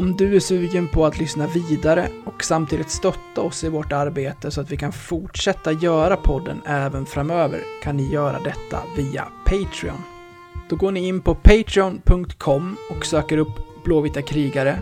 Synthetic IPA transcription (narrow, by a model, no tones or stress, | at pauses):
ɔmd̪ɵæʂʉ̟ːɡənpʰɔat̪lʏsnaviːd̪aɾəɔksamt̪ʰiːd̪ɪt̪st̪œt̪ːaɔsɪvoːʈaɾbeːt̪əsɔat̪vɪkʰanfʊʈʂɛt̪ːajœːɾapʰɔd̪ːə̰nɛːvənfɾamøːvə̰ɾkʰanːɪjœːɾa̰d̪ɛt̪ʰːa̰viːa̰pʰɛjt̪ʰɾɪ̰ɔ̰n | d̪̥ɔɡoːɳɪɪnːpɔpʰɛjt̪ʰɾɪɔnpʰɵŋk̚t̪kʰɔmːɔksøːkəɾɵpːb̥loːvɪt̪akʰɾiːɡaɾə